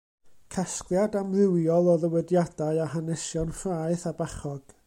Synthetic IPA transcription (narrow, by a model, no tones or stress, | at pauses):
kʰasklˠjadamlɪwjɔlˠɔðəwɛdjadaɨahanɛsjɔnfraɨθabaχɔɡ̥